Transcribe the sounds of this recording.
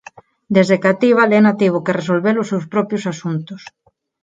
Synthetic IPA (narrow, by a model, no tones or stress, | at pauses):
d̪ezðekat̪iβalɛnat̪iβ̞ʊkeres̬olβelʊsewspɾɔpɾjʊsasunt̪ʊs